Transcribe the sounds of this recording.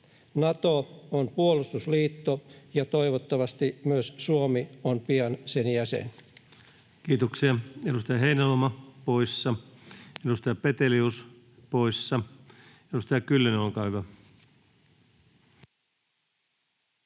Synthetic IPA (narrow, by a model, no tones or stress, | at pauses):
nɑt̪oonpuolust̪usliːt̪ːojɑt̪o̞iʋot̪ːɑʋɑst̪imyøssuomionpiɑnsenjæsḛn | kiːt̪oksiɑedust̪ɑjɑɦeinælomɑpoisːɑedust̪ɑjɑpet̪elius | poisːɑ | edust̪ɑjɑkylːenolkɑːhyʋæ